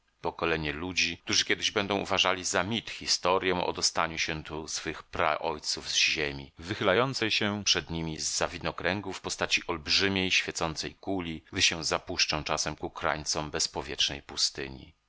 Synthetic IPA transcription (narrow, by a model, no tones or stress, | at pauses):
pɔkɔlɛɲɛlud͡ʑik̚t̪uʐɨkʲjɛd̪ɘʑbɛnd̪ɔ̃w̃uvaʐalʲizamʲit̪xʲist̪ɔɾʲjɛ̃ʔɔ̰d̪ɔst̪aɲuɕɛt̪usfɘxpɾa̰ʔɔjt̪suvzʑemʲivɘxɘlajɔnt̪sɛjɕɛpʂɛd̪ɲimʲizːavʲinɔkɾɛŋɡufpɔst̪at͡ɕiʔɔlbʐɘmʲjejɕfʲjɛt̪sɔnt̪sɛ̰jkulʲiɡd̪ɘɕɛwzapuʂt͡ʂɔ̃w̃t͡ʂasɛmkukɾa̰jt̪sɔmbɛspɔvʲjɛt͡ʂnɛ̰jpust̪ɘ̰ɲḭ